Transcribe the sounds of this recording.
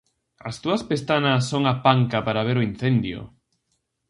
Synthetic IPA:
ɐ̰st̪uɐspest̪anɐsːoŋapaŋkapaɾaβ̞eɾʊin̟θend̪jʊ̰

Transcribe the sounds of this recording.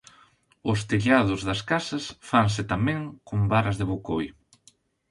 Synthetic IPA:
ʊst̪eʎað̞ʊzðɐskasɐsfaŋs̬ɪt̪amɛ̃ŋkombaɾɐzðɪβokoj

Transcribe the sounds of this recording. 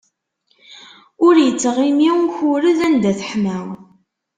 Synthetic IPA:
ʊɾjət͡sːəʁimiwçuɾəðænd̪æθə̥ħmə

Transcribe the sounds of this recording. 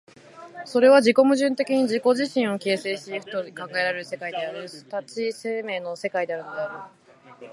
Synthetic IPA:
so̞ɾe̞βad͡ʑiko̞mɯ̟ʑɨ̃nt̪e̞kʲiɲ̟id͡ʑiko̞ʑiɕĩɰ̃o̞ke̞ːse̞ːɕiɸt̪oɲikãŋɡae̞ɾaɾse̞kaid̪e̞aɾɯ̟sɨ̥t̪at͡ɕise̞ːme̞ːno̞se̞kaid̪e̞aɾɯ̟no̞d̪e̞aɾɯ̟

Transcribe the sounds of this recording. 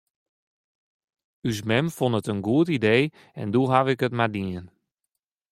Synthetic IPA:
ys̬mɛmfonətənɡuətidej | ɛ̰nduɦaʋɪkətmadiən

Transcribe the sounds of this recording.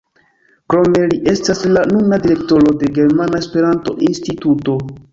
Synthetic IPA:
kɾo̞me̞liʔe̞staslanunadiɾe̞kto̞ɾo̞de̞ɡe̞ɾmanaespe̞ɾanto̞̰ʔinstituto̞

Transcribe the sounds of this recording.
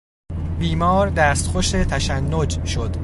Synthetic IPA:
biːmɒːɾd̪æːst̪xoʃet̪ʰæʃænːod͡ʒʃo̞d̪̥

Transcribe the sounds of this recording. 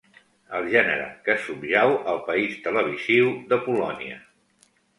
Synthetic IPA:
əlˠʒɛnə̰ɾə̰kəsubʒawəlˠpəist̪ələβ̞iziwðəpulɔ̰niə̰

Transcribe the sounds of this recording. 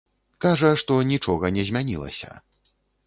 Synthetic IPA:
kaʐɐʂt̪ɔnʲit͡ʂɔɣɐnʲɛzʲmʲanʲḭlˠɐ̰sʲɐ̰

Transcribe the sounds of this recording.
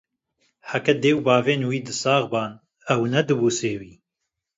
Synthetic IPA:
ħakɛd̪eːwbaːveːnwiːd̪ɨsaːɣbaːn | ɛwnɛd̪ɨbuːseːwiː

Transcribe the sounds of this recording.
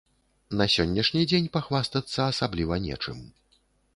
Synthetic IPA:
nɐsʲɔnʲːɐʂnʲid͡zʲenʲpaxvast̪ɐt̪sːɐːsablʲivɐnʲɛ̰t͡ʂɨ̰m

